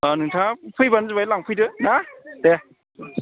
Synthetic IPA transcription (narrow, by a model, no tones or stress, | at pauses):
anɯŋtʰapʰɯjbanzɯbajlaŋpʰɯjdɯnade